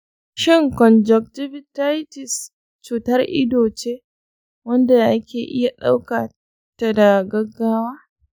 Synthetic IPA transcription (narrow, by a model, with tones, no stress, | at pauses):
ʃɪ˦ŋkɔ˨nd͡ʒɔ˨k̚tɪ˦bɪ˦ta˦jtɪ˨s | t͡ʃuː˨tɐ˦rʔɪ̰˦doː˨t͡ʃeː˦ | wɐ˦nda˨ʔa˦kʲeː˨ʔɪ˦ja˨ɗa˦wka˨ | ta˦˨da˨ɡɐ˦ɡːaː˦waː˦